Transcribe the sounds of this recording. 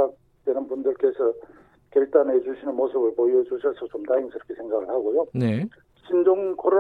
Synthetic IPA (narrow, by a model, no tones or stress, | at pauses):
ak̚ | t͈wenɯnbundɯɭk͈e̞sʰʌ | keɭt͈anɦed͡ʑuɕʰinɯnmosʰɯbɯɭpojʌd͡ʑuɕʰʌsʰʌt͡ɕomtaiŋsʰiɾʌkʰesʰeŋɡaɡɯɭhaɡojone | ɕʰind͡ʑoŋkʰoɾo